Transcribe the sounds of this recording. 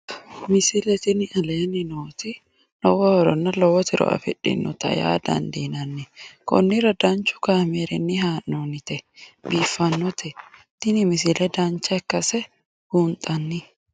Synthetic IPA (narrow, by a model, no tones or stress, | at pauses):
mɪsɪlɛt̪ɪnɪʔɐleːnɪnoːt̪ɪ | lɔwɔhɔɾɔnːɐlɔwɔt̪ɪɾɔ̰ʔɐ̰fɪᶑɪ̰nːɔ̰t̪ɐ̰ja̰ːd̪ɐ̰nd̪inɐnːɪkɔ̰nːɪɾɐd̪ɐnt͡ʃʊ̥kaːmeɾɛnːɪɦaːʔnoːnɪt̪ɛbiːfːɐnːɔt̪ʰɛ | t̪ɪnɪmɪsɪlɛd̪ɐnt͡ʃːɐɛkːɐsɛ | huːnt̪ʼɐnːɪ